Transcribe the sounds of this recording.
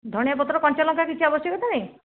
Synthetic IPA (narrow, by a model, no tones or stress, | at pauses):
d̪ʱɔɽ̃japɔt̪ɾɔkɔnt͡ʃɔlɔŋkakit͡ʃʰiabɔsjɔkɔt̪ʰanaj